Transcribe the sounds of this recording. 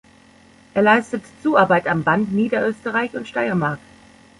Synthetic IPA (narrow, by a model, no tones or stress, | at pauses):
ʔeːɐlaɪstətt͡suːaɐbaɪtambantniːdɐʔøːstəʁaɪçʊntʃtaɪɐmaɐk̚